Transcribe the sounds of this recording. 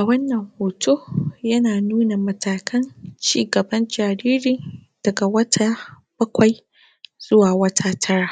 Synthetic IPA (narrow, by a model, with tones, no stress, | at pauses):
ʔʔa˨wɐ˦nːɐ˨ŋhoː˨tʰoː˦jɐ˦naː˨nuː˦na˨mɐ˨tʰaː˨kʰɐ˦nt͡ʃiː˦ɡɐ˨bɐ˦nd͡ʒaː˨ɾiː˦ɾɪ˨n | d̥ɐ˨ɡa˨wɐ˦tʰa˦ | b̥ɐ˦kʷa˨j | z̥ʊ˦waː˨wɐ˦tʰaː˦tʰɐ˦ɽaː˨